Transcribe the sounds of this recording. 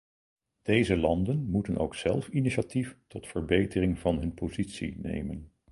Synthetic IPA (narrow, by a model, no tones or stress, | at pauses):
d̥ejzəlɑndənmutənʔo̰wksɛlˠfiniʃatiftɔtfəɹbejtərɪŋvɑnɦɵnpozitsḭnḛjmən